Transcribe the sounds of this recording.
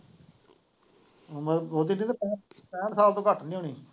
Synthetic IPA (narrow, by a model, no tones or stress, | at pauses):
məbɔːt̪inĩːt̪ːpɛpɛ̃ːʈsaːlt̪õːkəʈnĩːɦoːniː